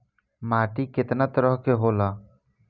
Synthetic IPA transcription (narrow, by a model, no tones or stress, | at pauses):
maːʈiːkɪt̪naːt̪əɾəɦkeɦoːlaː